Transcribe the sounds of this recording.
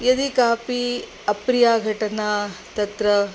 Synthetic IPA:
jɐd̪ikaːpi | ɐpɾijaːɡʱɐʈɐnaːt̪ɐt̪ɾɐ

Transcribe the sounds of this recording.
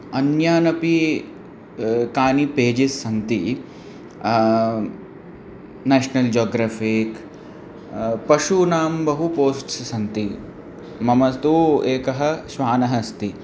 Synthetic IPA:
ɐnjaːnɐpi | kaːnipeːd͡ʒisːɐnt̪i | neːʃnɐld͡ʒoːɡɾaːfik | pɐʃunaːmbɐɦupoːsʈsɐsɐnt̪i | mɐmɐst̪uːeːkɐɦɐ̆ʃʋaːnɐɦɐst̪i

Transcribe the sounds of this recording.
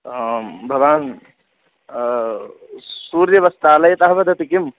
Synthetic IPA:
bʱɐʋaːn | suɾjɐʋɐst̪aːlɐjt̪ɐɦbɐd̪ʱɐt̪ikim

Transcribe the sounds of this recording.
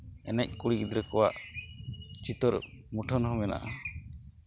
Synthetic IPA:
ɛnɛc̚kuɽikid̪ɾɛkɔwa̰ʔ | t͡ʃit̪ɔɾmuʈʰɔnɦɔmɛna̰ʔa

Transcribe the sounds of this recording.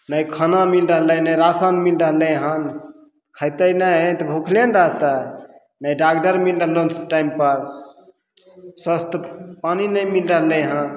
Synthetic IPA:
nəjkʰənamilɾəɦləjnəjɾasanmilɾəɦləjɦan | kʰəjt̪ənəɦət̪ɔbʱukʰljənɾaɦt̪a | nəjɖaɡɖəɾmilɾəɦlonsʈajmpəɾ | swəst̪ʰəpaninəjmilɾəɦlə̃jɦãn

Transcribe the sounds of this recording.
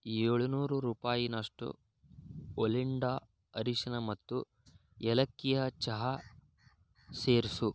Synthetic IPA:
eɭunuːɾuɾuːpaːjinɐʂʈṵ | oliɳɖaː | ɐɾiʂɐnɐmɐt̪ːu | ɛlɐkːijɐt͡ʃɐɦɐ | seːɾisu

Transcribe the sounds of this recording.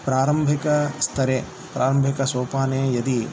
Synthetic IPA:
pɾaːɾɐmbʱikɐst̪ʰɐɾeː | pɾʔaːɾɐmbʱikɐsoːpaːneːjɐd̪i

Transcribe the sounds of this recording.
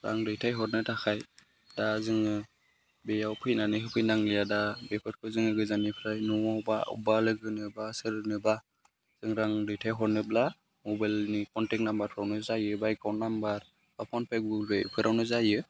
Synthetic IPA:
ɾa̰ŋɾɯjtʰajɦɔɾnɯtʰakʰaj | dazɯŋɯ | bejawpʰɯjnanɯɦɯpʰɯjnaŋlijadabepʰɯɾkʰɯzɯŋɯɡɯzanipʰɾajnɔwabaṵbalɯɡɯnɯbasɯɾɯnɯba | z̥ɯŋɾaŋɾɯjtʰajɦɔɾnɯbla | mɔbajlnikɔntɛk̚nambaɾpʰɯɾawnɯzajɯbajkawnnːambaɾ | apʰɔnpʰeɡɡulbḛpʰɯɾʔawnɯzajɯ

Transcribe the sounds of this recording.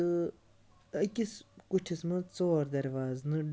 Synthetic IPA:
ɨ | ɐkʲiskut͡ʃʰismɐ̃t͡soːɾd̪ɐɾʋaːznɨ

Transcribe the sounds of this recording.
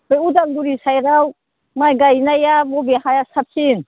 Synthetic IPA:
bɔjudalduɾisajɾaw | majɡajnajabɔbehajasap̚sin

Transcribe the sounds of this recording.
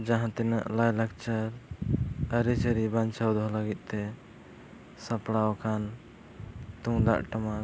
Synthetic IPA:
d͡ʒãɦãt̪ɛna̰ʔlajlak̚t͡ʃaɾ | əɾit͡ʃʰəɾibant͡ʃawd̪ɔɦlaɡit̪̚ˀt̪ɛ | sapɽawakʰan | t̪uŋd̪a̰ʔʈama

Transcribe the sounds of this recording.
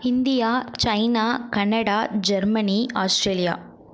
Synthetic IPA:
ind̪ijaːt͡ʃɐjnaːkɐnɐɽaːd͡ʒɐɾmɐniaːsʈɾeːlija̰ː

